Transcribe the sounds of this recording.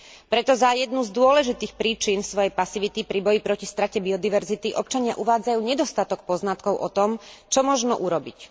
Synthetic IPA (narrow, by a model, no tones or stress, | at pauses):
pɾɛt̪ɔzajɛd̪nuzd̪ʊɔlɛʒit̪iːxpɾiːt͡ʃinfsʋɔjɛjpasiʋit̪ipɾibɔjipɾɔcist̪ɾacɛbiɔd̪iʋɛɾzit̪iʔɔp̚t͡ʃaɲɪa̰ʔuʋaːd͡zajuːɲɛd̪ɔst̪at̪ɔk̚pɔznat̪kɔʊʔɔt̪ɔmt͡ʃɔmɔʒnɔʔuɾɔbic